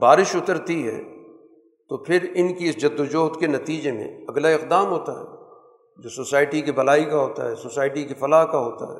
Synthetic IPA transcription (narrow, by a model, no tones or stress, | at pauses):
baːɾɪʃʊt̪əɾt̪iɦɛ̰ː | t̪opʰɪɾɪnkiɪsd͡ʒɐd̪ːod͡ʒoːɦt̪kenɐt̪iːd͡ʒemḛ̃ɐɡlaɪq̚d̪aːmɦoːt̪aɦɛ̰ː | d͡ʒoːsoːsaːɪʈikibɐlaːikaɦoːt̪a̰ɦɛːsoːsaːɪʈikifɐlaːɦkaɦoːt̪a̰ɦɛ̰ː